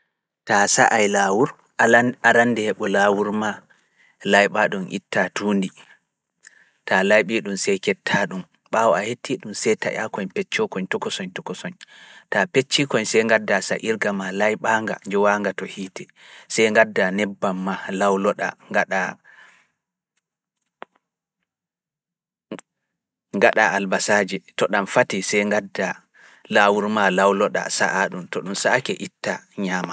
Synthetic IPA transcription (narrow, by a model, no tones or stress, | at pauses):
tasa̰ʔajlawuɾ | aɾandɛhɛɓɔlawuɾma | lajɓaɗumʔḭtːatundi | talajɓiɗumsɛjkɛtʰːaɗum | ɓawɔahetʰːiɗumsɛjta̰ja̰kɔɲpɛt͡ʃːɔkɔɲtɔkɔsɔɲtɔkɔsɔɲtapet͡ʃːikɔɲsɛjŋɡadːasa̰ʔiɾɡamalajɓaːŋɡa̰nd͡ʒɛwaŋɡatɔhiːtɛ | sɛjŋɡadːanɛbːamːalawlɔɗa̰ŋɡaɗa | ŋɡaɗa̰albasaːd͡ʒitɔɗamfatisɛjŋɡadːa | laːwuɾmalawlɔɗa̰sa̰ʔaɗumtɔɗumsakɛʔitːaɲama